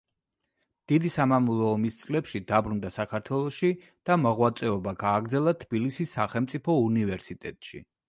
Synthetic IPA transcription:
d̪̥id̪isamamulˠɔːmist̪sʼlɛpʃid̪abɾund̪asakʰaɾt̪ʰwɛlˠɔʃi | d̪̥amɔʁwat̪sʼɛɔbaɡaːɡɾd̪zɛlˠat̪ʰb̥ilisisːaχɛlˠmt̪sʼipʰɔunivɛɾsit̪ʼɛ̰t̪ʼʃḭ

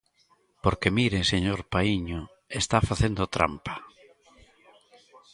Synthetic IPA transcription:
poɾkemiɾeseɲoɾpaiɲo | est̪afaθend̪ot̪ɾa̰mpḁ

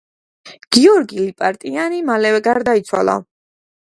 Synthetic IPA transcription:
ɡ̥iɔɾɡilipʼaɾt̪ʼianimalɛvɛɡaɾd̪ait̪sʰwa̰lˠa̰

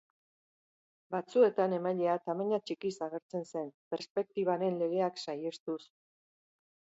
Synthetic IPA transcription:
bat͡sue̞t̪ane̞maʎeat̪amaɲat͡ʃikisaɣ̞e̞ɾt͡se̞nse̞mpe̞ɾspe̞k̚t̪iβaɾe̞nle̞ɣ̞e̞aksaje̞st̪us

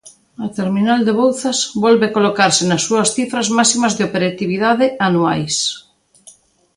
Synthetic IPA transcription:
at̪eɾminald̪eβ̞owθazβɔlβeakolokaɾsenasːuɐsθifɾazmasimazðeopeɾat̪iβiðaðeanuajs

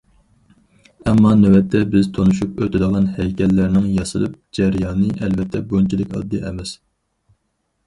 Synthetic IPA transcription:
ɛmːɑnɛwɛt̪ʰːɛbɪzt̪ʰonuʃupøt̪ʰɪd̪əʁlˠɑnhɛjkʲʰɛlːæɾnɪŋjɑsɨ̰lˠɨ̰p̚d͡ʒɛɾjɑːnɨʔɛlvɛt̪ʰːɛbojnt͡ʃʰilɪkʲɑ̰d̪ːɨʔɛ̰mɛs

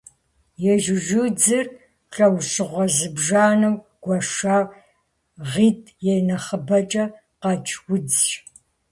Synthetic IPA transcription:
jɛʒɪʒud͡zɨr | ɬʼɐwɕɨʁʷɐzɨbʒaːnɨw | ɡ̥ʷɐʂaː | ʁiːtʰʼjɛjnɐχəbɐt͡ʃʼɐ | qɑt͡ʃʰʼwʊd͡zʃ

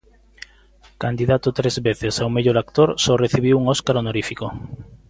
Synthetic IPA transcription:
kand̪iðat̪ʊt̪ɾezβeθesawmeʎoɾakt̪oɾsɔreθiβiwuŋoskaɾonoɾifiko

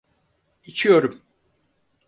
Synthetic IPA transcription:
it͡ʃʰijo̞ɾum

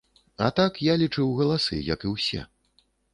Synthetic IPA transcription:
at̪akjalʲit͡ʂɨwɣɐlˠasɨ̰jɐkɨwsʲɛ̰

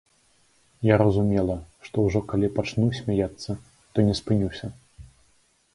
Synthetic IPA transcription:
jaɾɐzumʲɛlˠɐʂt̪ɔwʐɔkalʲipat͡ʂnusʲmʲajat̪sːɐ | t̪ɔnʲɛspɨnʲuwsʲɐ

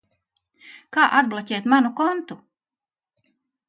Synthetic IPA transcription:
kaːʔad̪̚blˠacʲɛːt̪manukɔnt̪u

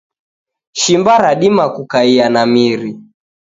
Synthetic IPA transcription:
ʃimbaɾaɗimakukaianamiɾi

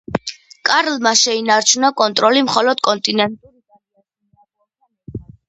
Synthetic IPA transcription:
kʼaɾlmaʃɛinaɾt͡ʃʰunakʼɔnt̪ʼɾɔlimχɔlɔd̪̥̚kʼɔnt̪ʼinɛnt̪ʼ

